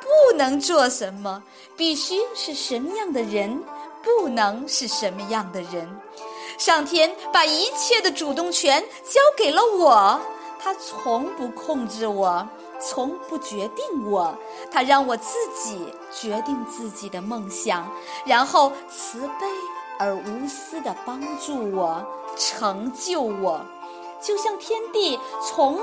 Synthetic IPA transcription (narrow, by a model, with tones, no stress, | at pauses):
pu˥˩nɤ˧˥ŋt͡swɔ˥˩ʂə˧˥nmə˧ | pi˥˩ɕy˥ʂɻ̩˥˩ʂə˧˥nmə˧jɑ˥˩ŋd̪ə˩ɻə˧˥npu˥˩nɤ˧˥ŋʂɻ̩˥˩ʂə˧˥nmə˧jɑ˥˩ŋd̪ə˩ɻə˧˥n | ʂɑ˥˩ŋt̪ʰjɛ˥npa˨˩i˧˥t͡ɕʰjɛ˥˩d̪ə˩ʈ͡ʂu˨˩t̪ʊ˥˩ŋt͡ɕʰɥɛ˧˥n | t͡ɕjɑ˥ʊke˨˩ɪlə˦wɔ˨˩˦ | t̪ʰa˥t͡sʰʊ˧˥ŋpu˧˥kʰʊ˥˧ŋʈ͡ʂɻ̩˥˩wɔ˨˩˦ | t͡sʰʊ˧˥ŋpu˥˩t͡ɕɥɛ˧˥t̪i˥˩ŋwɔ˨˩˦ | t̪ʰa˥ɻɑ˥˩ŋwɔ˨˩t͡sɹ̩˥˩t͡ɕi˨˩˦ | t͡ɕɥɛ˧˥t̪i˥˧ŋt͡sɹ̩˥˩t͡ɕi˨˩d̪ə˦mɤ˥˩˧ŋɕjɑ˨˩ŋ | ɻa˧˥nxo˥˩ʊt͡sʰɹ̩˧˥pe˥˩ɪə˞˧˥u˧˥sɹ̩˥d̪ə˨pɑ˥ŋʈ͡ʂu˥˩wɔ˨˩˦ʈ͡ʂʰɤ˧˥ŋt͡ɕjo˥˩ʊwɔ˨˩˦ | t͡ɕjo˥˧ʊɕjɑ˥˩ŋt̪ʰjɛ˥nt̪i˥˩t͡sʰʊ˧˥ŋ